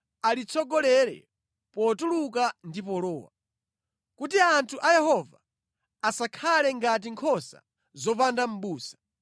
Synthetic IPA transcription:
alit͡sʰɔɡɔlɛɾɛ̰ | pɔtulukandipɔlɔːwa̰ | kutiantʰuʔajɛhɔva̰ | asakʰalɛŋɡat̬iŋkʰɔsa̰ | zɔpandam̩ɓuːsḁ

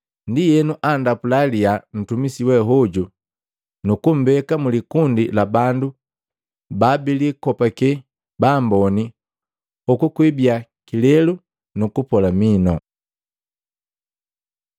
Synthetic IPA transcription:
ndijɛnuʔandapulalian̩tumisiwɛɦɔɟu | nukum̩bɛkamulikundilabandu | babilikɔpakɛ | bambɔni | ukukwibiakilɛlu | nukupɔlaminɔ̰

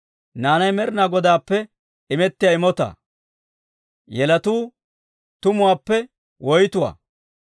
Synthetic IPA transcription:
naːnɐjmɛɾɪnaːɡɔd̪aːpːɛ | ɪmɛt̪ːɪjaːɪmɔt̪a̰ː | jɛlɐt̪uː | t̪ʊmʊwaːpːɛ | wɔjt̪ʊwa̰ː

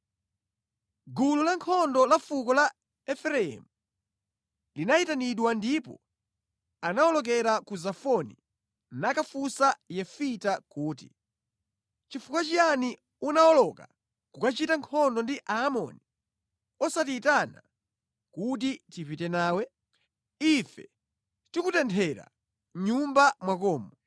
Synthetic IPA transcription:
ɡululaŋkʰɔndɔlafukɔla | ɛfɛɾɛɛ̰mu | linaitaniɗwandipɔ̰ | anaɔlɔk̬ɛɾakuzafɔnḭ | nakafusajɛfitakuːti̥̰ | t͡ʃifukat͡ʃijani | unaɔlɔka̰ | kukat͡ʃitaŋkʰɔndɔndiʔaːmɔ̰ni | ɔsatiːtana̰ | kut̬itipitɛnaːwɛ | ifɛ | tikutɛntʰɛɾa̰ | ɲumbamwakɔːmɔ

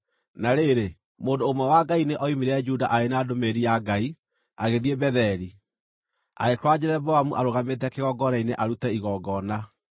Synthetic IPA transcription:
naɾeɾe | moːndoːmwɛwaɡaineʔɔimiɾɛd͡ʒuda̰ʔaenaːdomeɾijaɡai | aɣeðiɛbɛðɛɾi | a̰ɣekwad͡ʑeɾɛbɔamuʔaɾoɣamet̬ɛkeɣɔɡɔnaineʔaɾutɛiɣɔɡɔna

